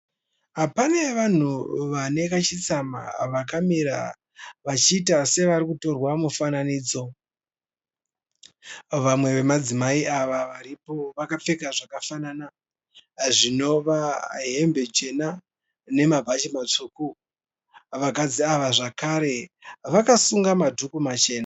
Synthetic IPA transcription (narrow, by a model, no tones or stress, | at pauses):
ɦapane̞ʋan̤uʋane̞kat͡ʃit͡sama̰ʋakamiɾa̰ | ʋat͡ʃiːtase̞ʋaɾikuto̞rwamufananiːd͡zo̞ | ʋamwe̞ʋe̞mad͡zimaiʔaʋaʋaɾipo̞ʋakap͡fe̞kaʐakafanana | ʐino̞ʋaɦe̞mbe̞d͡ʒe̞na | ne̞mabʱat͡ʃimat͡ʂuːku | ʋakad͡ziaʋaʐakaɾe̞ʋakasuŋɡamadʱukumat͡ʃe̞ːna